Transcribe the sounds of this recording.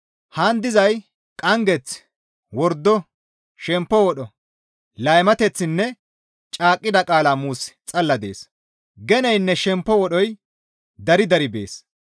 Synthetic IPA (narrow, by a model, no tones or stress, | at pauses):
hand̪ɪzɐj | kʼɐŋɡɛt͡s | wɔɾd̪ːɔ | ʃɛmpːɔwɔɗɔ | lɐjmɐt̪ɛt͡sːɪnːɛ | t͡ʃʼaːkʼːɪd̪ɐkʼaːlaːmuːst͡sʼɐlːɐd̪ḛːs | ɡɛnɛjnːɛʃɛmpːɔwɔɗɔj | d̪ɐɾɪd̪ɐɾɪbḛːs